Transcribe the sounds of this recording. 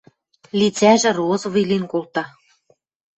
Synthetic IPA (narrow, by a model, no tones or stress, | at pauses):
lit͡sæʒɘ̆rozovilinkolt̪ɑ